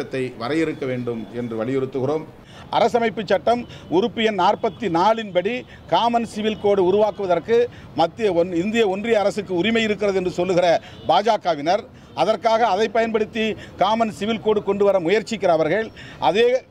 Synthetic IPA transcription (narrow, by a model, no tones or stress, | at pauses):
ɐt̪ːɐɪʋɐɾɐjɪɾɯkːɐʋeːɳɖɯmɛndrɯʋɐɭɪjɪɾɯt̪ːɯɣɪroːm | ʔɐ̰ɾɐs̬ɐmɐɪpːɯt͡ʃːɐʈːɐmʊɾɯpːɪjɐnnaːrpɐt̪ːinaːɭɪnpɐɽi | kaːmɐnsɪʋɪlkoːɽɯʊɾʊʋaːkɯʋɐðɐrkɯ | mɐt̪ːɪjɐɔnɪnd̪ɪjɐɔndrɪjɐːɾɐsɯkːɯʊrɪmɐjɪɾɯkːɪrɐðɯɛndrɯsɔlːɯɣɪrɐ | baːd͡ʒaːkːaʋɪnɐɾ | ʔɐðɐrkaːɣɐːðɐɪpːɐjɐnpɐɽɯt̪ːikaːmɐnsɪʋɪlkoːɽɯkɔɳɖɯʋɐɾɐmʊjɐɾt͡ʃːɪkːɪɾɐːʋɐɾɣɐɭʔɐðeː